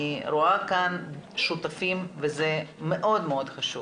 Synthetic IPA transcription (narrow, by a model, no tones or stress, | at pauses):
ɾoakanʃut̪afimvezɛmeʔo̞d̪meod̪χaʃṵ